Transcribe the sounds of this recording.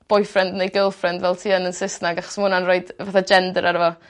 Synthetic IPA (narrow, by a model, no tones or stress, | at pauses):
b̥ʊjfrɛndnejɡəlˠfrɛndvɛlˠtʰiːənənsɪsnaɡaχɔ̥smʊnanroɨd̥vaθad͡ʒɛndəɾʔaɾəvɔ